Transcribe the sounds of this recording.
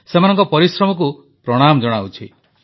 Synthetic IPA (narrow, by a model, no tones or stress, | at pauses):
semanɔŋkɔpɔɾisɾɔmɔk̬u | pɾɔɽ̃amɔd͡ʒɔɽ̃awt͡ʃʰḭ